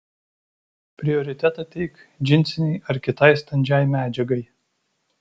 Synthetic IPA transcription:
pʲɾʲɪɔɾʲɪt̪ʲɛt̪ɑt̪ʲɛɪk | d͡ʒʲɪnʲt̪sʲɪnʲɛɪʔɐɾkʲɪt̪ɐɪst̪ɐnʲd͡ʒʲɛjmʲæːd͡ʒʲɛɡɐɪ

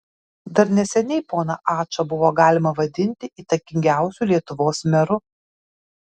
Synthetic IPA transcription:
d̪ɐɾnʲɛsʲɛnʲɛɪpoːnɐʔɑːt͡ʃɐbʊʋoːɡɑːlʲɪmɐʋɐd̪ʲɪnʲt̪ʲɪʔiːt̪ɐkʲɪŋʲɡʲæˑʊsʲulʲiɛt̪ʊʋoːsmʲɛɾʊ

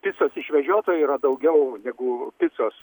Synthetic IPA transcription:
pʲɪt̪t͡s̪oːsɪʃʲʋʲɛʒʲoːt̪oːjiːɾɐd̪ɐʊɡʲɛʊnʲɛɡʊpʲɪt̪soːs

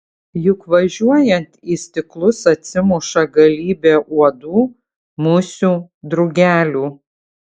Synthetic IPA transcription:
jʊkʋɐʒʲuɔjɛnʲt̪iːsʲt̪ʲɪklˠʊsɐt̪ʲsʲɪmʊʃɐɡɐlʲiːbʲeːʔuɔd̪uː | mʊsʲuː | d̪ɾʊɡʲæːlʲuː

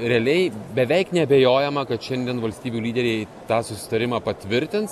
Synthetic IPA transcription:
ɾʲɛɐlʲɛɪbʲɛʋʲɛɪknʲɛɐbʲeːjoːjɛmɐkɐt̪ʃʲɛnʲd̪ʲiɛnʋɐlʲsʲt̪ʲiːbʲuːlʲiːd̪ʲɛɾʲɛɪ | t̪ɑːsʊsʲɪ̥t̪ɐɾʲɪmɑːpɐt̪ʲʋʲɪɾʲt̪ʲɪns

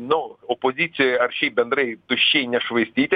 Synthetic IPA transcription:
nʊɔpɔzʲit͡sʲɪjɐɐrʃijbʲɛnd̪ɾɛjt̪ʊʃʲt͡ʃːijnʲɛʃʋɪsʲtʲit̪ʲ

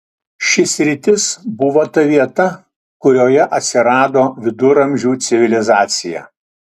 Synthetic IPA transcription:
ʃʲɪsʲɾʲɪt̪ʲɪsbʊʋoːt̪ɐʋʲiɛt̪ɐ | kʊɾʲoːjɛʔɐt̪ʲsʲɪɾɑːd̪oːʋʲɪd̪ʊɾɐmʲʒʲuːt̪sʲɪʋʲɪlʲɪzɑːt̪sʲɪjæ̰ː

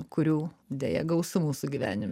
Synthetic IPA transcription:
kʊɾʲuːd̪ʲeːjɛ̰ɡɐʊsʲʊmuːsʊɡʲiʋʲæ̰ːnʲɪm

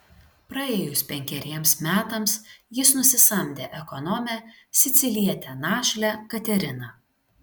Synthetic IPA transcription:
pɾɐeːjʊspʲɛŋʲkʲɛɾʲiɛmsmʲæːt̪ɐmsjɪsnʊsʲɪsɐmʲd̪ʲeːʔɛkɔnɔmʲæsʲɪt̪sʲɪlʲiɛt̪ʲɛnɑːʃʲlʲɛkɐt̪ʲɛɾʲɪnɐ

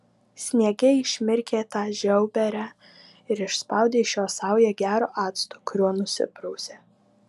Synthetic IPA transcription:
sʲnʲiɛɡʲɛɪʃʲmʲɪɾʲkʲeːt̪ɑːʒʲɛʊbʲɛɾʲæː | ɪɾɪʃspɑˑʊd̪ʲeːʃjoːsɑˑʊjɛɡʲæːɾoːʔɑːt̪st̪okʊɾʲuɔnʊsʲɪ̰pɾɔʊsʲeː

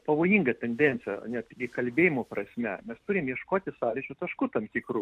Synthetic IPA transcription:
pɐʋoːjiːŋɡɐt̪ʲɛnʲd̪ʲɛnʲt̪t͡ssʲɪjɛ̰nʲɛt̪tʲɪɡʲɪkɐlʲbʲeːjɪmoːpɾɐsʲmʲɛmʲɛst̪uːɾʲɪmjɛʃkoːt̪ʲɪsɑːlʲɪt͡ʃʲut̪ɐʃkuːt̪ɐmt̪ʲiːkɾuː

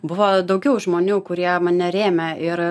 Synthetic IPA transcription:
bʊʋoːd̪ɐʊɡʲɛʊʒmoːnʲuːkʊɾʲiɛmɐnʲɛɾʲeːmʲɛɪɾ

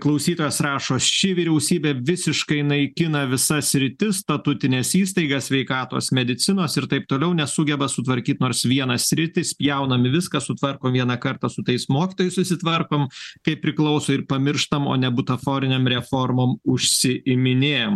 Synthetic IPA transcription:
klˠɐʊsʲiːt̪oːjɛːsrɑːʃoːst͡ʃʲɪʋʲiːɾʲɛʊsʲiːbʲeːʋʲɪsʲɪʃkɐɪnɐɪkʲɪnɐʋʲɪsɐsʲɾʲɪt̪ʲɪst̪ɐt̪ʊt̪ʲɪnʲeːsiːst̪ɐɪɡɐssʲʋʲɛɪkɑːt̪o̰ːsmʲɛd̪ʲɪt̪sʲɪnoːsɪɾt̪ɐɪp̚t̪oːlʲɛʊnʲɛsʊɡʲɛbɐsʊt̪ʋɐɾʲkʲiːt̪noːɾsʋʲiɛnɐssʲɾʲɪt̪ʲɪspʲjɛʊnɐmʲɪʋʲɪskɐsʊt̪ʋɐrkoːmʋʲiɛnɐkɐɾt̪ɑsʊt̪ɐɪsmoːkʲiːt̪oːjɛɪsʊsʲɪt̪ʋɐrkoːmt̪ɐɪpʲɾʲɪklˠɐʊsoːɪɾpɐmʲɪɾʃt̪ɐmo̰ːnʲɛbʊt̪ɐfoːɾʲɪnʲeːmɾʲɛformoːmʊʃʲsʲɪɪmʲɪnʲeːjɛm

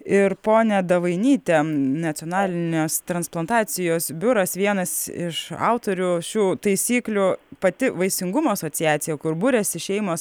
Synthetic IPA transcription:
ɪɾpoːnʲɛd̪ɐʋɐɪnʲiːt̪ʲɛnɐt̪sʲɪoːnɑːlʲɪnʲoːst̪ɾɐnsplˠɐnt̪ɑːsʲɪjoːsbʲʊɾɐsʋʲiɛnɐsɪʃɑ̰ʊt̪oːɾʲʊʃʲuːt̪ɐɪsʲiːklʲʊpɐt̪ʲɪʋɐɪsʲɪŋɡʊmoːɐsoːtt͡s̪ʲɪjæːt̪sʲɪjɛkʊɾbʊɾʲɛsʲɪʃʲɛɪmoːs

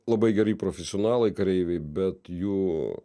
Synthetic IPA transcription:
lˠɐbɐɪɡʲɛɾiːpɾoːfʲɛsʲɪoːnɑːlˠɐɪkɐɾʲɛɪʋʲɛɪbʲɛt̪juː

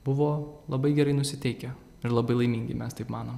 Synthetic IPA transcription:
bʊʋoːlˠɐbɐɪɡʲɛɾɐɪnʊsʲɪt̪ʲɛɪkʲɛ | ɪɾlˠɐbɐɪlˠɐɪmʲiŋʲɡʲɪ̰mʲɛst̪ɐɪpmɑːnoːm

